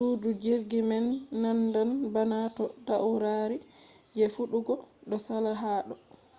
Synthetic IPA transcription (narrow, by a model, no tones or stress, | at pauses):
udud͡ʒiɾɡimɛnːandanbanatɔdawuɾaɾi | d͡ʒɛfuɗuɡɔɗɔsalaɦaːɗɔ